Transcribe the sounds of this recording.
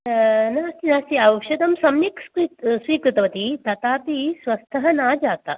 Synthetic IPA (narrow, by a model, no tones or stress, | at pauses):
naːst̪inaːst̪iɐʃɐd̪ɐmsɐmjiksɾit̪sʋiːkɾit̪ɐʋɐt̪it̪ɐt̪aːpisʋɐst̪ʰɐɦɐnaːd͡ʒaːt̪a̰